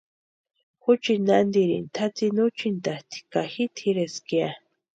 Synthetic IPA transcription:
xut͡ʃinand̪iɾḭnt̪ʰat͡sinut͡ʃint̪at̪ʰi̥kaxit̪ʰiɾeskia

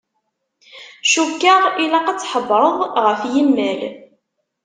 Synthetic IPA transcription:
ʃukːəʁilaqat͡sːħəbɾˤəðˤʁəfjimːæl

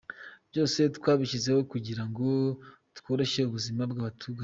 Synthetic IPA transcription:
b̥jo̞ːse̞tkwaːβiʃize̞ho̞kuɟiɾaŋɡo̞ | tko̞ːɾe̞ʃe̞uβuzimabɡaːβatʰuːɡaɲ

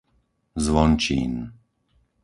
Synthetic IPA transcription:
zʋɔnt͡ʃḭn

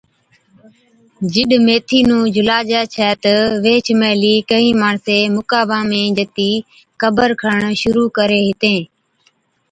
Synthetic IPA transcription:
d͡ʒɪɗmeːt̪ʰiːnũːd͡ʒʊlaːd͡ʒɛːt͡ʃʰɛːt̪əʋeːt͡ʃʰmɛːliːkəĩːmaːɳseːmʊkaːʋãːmẽːd͡ʒət̪iː | kəbəɾkʰəɳʃʊɾuːkəɾeːɦɪt̪ẽː

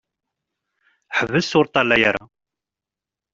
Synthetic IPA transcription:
ħəvːəsʊɾt̪ˤɑlːæjaɾa̰

